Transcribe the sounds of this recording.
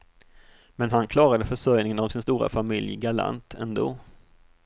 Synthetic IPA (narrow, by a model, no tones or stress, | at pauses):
mɛnɦankʰlɑːɾad̪əfœʂœjnɪŋənavsɪnst̪uːɾa̰famɪljɡaɭa̰nt̪ʰɛ̰nd̪o̰ː